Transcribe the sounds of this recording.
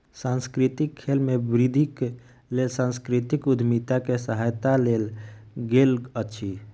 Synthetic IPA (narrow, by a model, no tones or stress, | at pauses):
sãnskɾit̪ikʰːelmẽbɾid̪ʱik | lelsãːnskɾit̪ikʊd̪ʱmit̪akesəɦajt̪aleːlɡeːlətːʃʰi